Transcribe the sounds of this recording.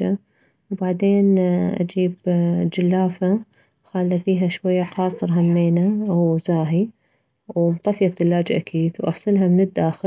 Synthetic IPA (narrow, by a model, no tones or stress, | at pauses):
a | wbaʕd̪eːnʔa̰d͡ʒiːbd͡ʒɪlːaːfa | xaːlːafiːɦaʃwajːaqɑːsˤɨɾˤɦamːeːnawzaːɦi | wmt̪ˤɑfjaθɪlːaːd͡ʒʔa̰kʰiːd̪wʔɑ̰ħsˤɨlɦamɪnɪd̪ːaːxɪ